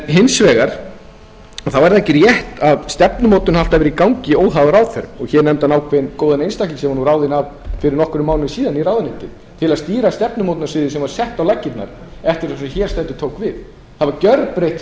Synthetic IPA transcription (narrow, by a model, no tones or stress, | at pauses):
ɦɪnsvɛːɣaɾ̥ | ɔθawvaɾaɛhcɪɾjɛht̪aðst̪ɛpnʏmowt̪ʏnhaft̪avɛɾikawŋcɪoːwawðaɾawθɛɾʏmɔɣçɛɾnɛmt̪anaːwkʰvɛnkoːwðanejnst̪akisɛmanuɾawðɪnavfɪɾɪɾnɔhkʏɾʏmːawlɪnɪsiːðaniɾawðʏnɪnt̪ɪ | t̪ʰɪlaðst̪iːɾast̪ɛpnʏmowt̪nasvɪðɪsɛmvaɾ̥sɛht̪awlacːɪt̪na̰ɾ | ɛft̪ɪɾsɛmçɛɾ̥st̪ɛnt̪ʏ̥t̪ʰoːwkvɪð | θavaɾcœɾpɾejht̪